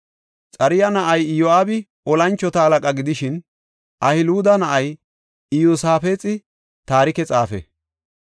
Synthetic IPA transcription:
t͡sʼɐɾɪjɐnɐʔɐjɪjɔaːbɪ | ɔlɐnt͡ʃːɔt̪ɐhɐlɐkʼɐɡɪd̪ɪʃɪn | ʔɐhɪluːd̪ɐnɐʔɐj | ɪjoːsaːfeːt͡sʼɪ | t̪aːɾɪkɛt͡sʼaːfɛ̰

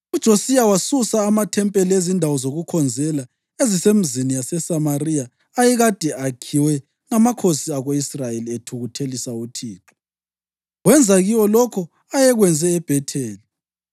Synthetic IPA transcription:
ud̥ʒ̥ʱosiawasusaːmatʰɛmpʼɛliezindʱawɔzoɣukʰɔnd͡zʱɛla | ezisem̩zinijasɛsamarijaː | jɛɣad̥ʱɛakʰiwɛ | ŋamakʰosiaɣoisrajelietʰuɣutʰelisautʰiːǁɔ̥ | wɛnd͡zʱaɣiwɔlɔkʰɔ | ajɛɣwɛnd͡zʱɛːb̥ʱɛtʰɛːli

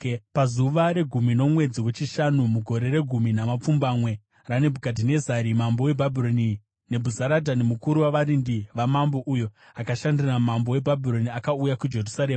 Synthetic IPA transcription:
pazuʋaɾe̞ɡʱumino̞mwe̞d͡ziwe̞t͡ʃiʃanumuɡʱo̞ɾe̞ɾe̞ɡʱuminamap͡fumbamwe̞ | rane̞bʱukadʱine̞zaɾimambo̞we̞bʱabʱiɾoni | ne̞bʱuzaɾadʱanemukuɾuwaʋaɾindiʋamambo̞ʔujo̞ | akaʃandiramambo̞we̞bʱabʱiro̞niakaujakud͡ʒe̞rusaɾe̞ːma

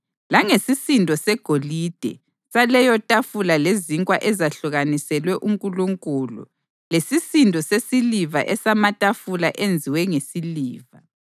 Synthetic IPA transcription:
laŋesisindʱɔsɛɡ̥ʱolid̥ʱɛ̰ | salɛjɔtʼafulaleziŋkʼwaʔɛzaɬuɣanisɛlwɛʔumkʼuluŋkʼuːlṵ | lesisintɔsesiliva̰ʔɛsamatʼafulaʔend͡zʱiwɛŋesiliːva

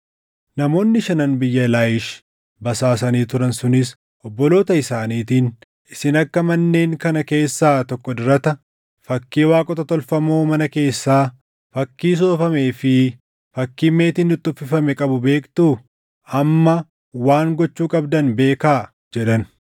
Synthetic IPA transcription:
nɐmo̞ːnːɪʃɐnɐnbɪjːɐɛlaːjɪʃ | bɐsaːs̬ɐniːt̪ʊɾɐnsʊnɪs | ʔɔbːɔlo̞ːt̪ɐɪsaːniːt̪iːn | ɪsɪnɐkːɐmɐnːe̞ːŋkɐnɐke̞ːsːaːt̪ɔkːɔd̪ʊɾɐt̪ɐ | fɐkːiːwaːkʼɔt̪ɐt̪ɔlfɐmoːmɐnɐke̞ːsːaː | fɐkːiːs̬oːfɐme̞ːfɪ | fɐkːiːme̞ːt̪iːnʊt̪ʼːʊfɪfɐmɛkʼɐbʊbe̞ːkt̪uː | ɐmːɐ | waːŋɡɔt͡ʃːuːkʼɐbd̪ɐnbe̞ːkaː | d͡ʒɛᶑɐn

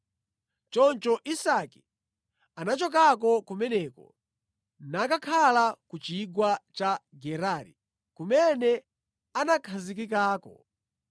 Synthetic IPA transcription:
t͡ʃɔnt͡ʃɔʔisaki̥ | anat͡ʃɔk̬ak̬ɔkumɛnɛːkɔ̰ | nakakʰalakut͡ʃiɡwat͡ʃaɡɛɾaːɾḭ | kumɛnɛ | anakʰazik̬ik̬aːkɔ̰

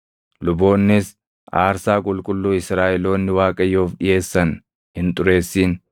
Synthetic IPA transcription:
lʊbo̞ːnːɪs | ʔaːɾsaːkʼʊlkʼʊlːuːɪsɾaːʔɛlo̞ːnːɪwaːkʼɐjoːfɗɪje̞ːsːɐn | hɪnt̪ʼʊɾe̞ːsːiːn

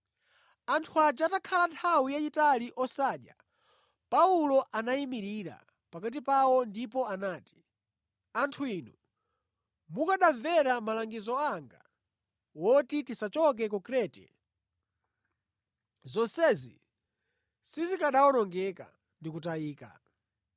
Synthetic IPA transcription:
antʰuad͡ʒatakʰalantʰawijaitaliʔɔsaːɗja̰ | paulɔʔanaimiɾiɾa̰ | pakat̬ipawɔndipɔanaːti̥ | antʰuinu | mukaɗavɛɾamalaŋɡizɔaŋɡa | wɔtitisat͡ʃɔk̬ɛkukɾɛtɛ̰ | zɔsɛzḭ | sizikaɗawɔnɔŋɡɛka̰ | ndikutaiːka̰

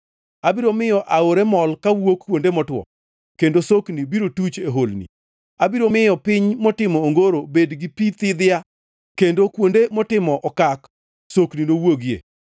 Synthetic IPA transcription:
abiɾomɪjɔʔaoɾemɔlkawokkːwondemɔtwɔ̰ | kendosoknibiɾotut͡ʃeɦolnḭ | abiɾomɪjɔpɪɲmɔtɪmɔːŋɡoɾobedɡɪpit̪ɪd̪ɪja | kendokwondemɔtɪmɔʔɔkak | sokninowoɡiḛ

